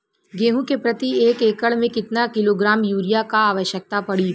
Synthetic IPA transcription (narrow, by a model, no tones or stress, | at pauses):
ɡeːɦũkepɾɐt̪ieːkeːkəɭmẽkɪt̪nakɪloɡɾaːmjuːɾijakaaːʋəʃjək̚t̪apɐɽi